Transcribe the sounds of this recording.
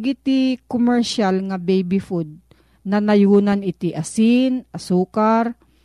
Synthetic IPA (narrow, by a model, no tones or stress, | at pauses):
ɡɪt̪ikomɛɹʃalŋɐbɛjbɪfud̪̚ | nɐnɐjuːnanɪt̪iʔasɪnʔasuːkaɾ